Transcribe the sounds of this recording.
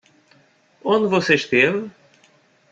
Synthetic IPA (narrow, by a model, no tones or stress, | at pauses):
õnd̪vɔseʃt̪evɨ